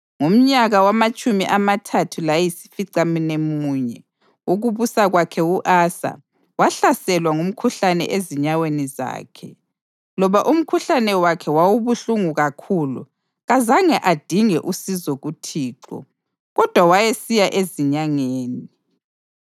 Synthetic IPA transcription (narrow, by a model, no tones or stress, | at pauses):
ŋum̩ɲaɣawamat͡ʃʼumiʔamatʰatʰulajɛjisi̥fiǀaminemuːɲɛ | uɣuβusaɣwakʰɛuʔasa̰ | waɬasɛlwaŋum̩kʰuɬanɛ̰ʔeziɲaweniza̰ːkʰɛ | lɔβaʔum̩kʰuɬanɛwakʰɛwawuβuɬuŋuɣakʰuːlṵ | ɣazaŋɛʔad̥ʱiŋɛʔusizoɣutʰiːǃɔ̰ | ɣɔd̥ʱwawajesijaʔeziɲaŋeːni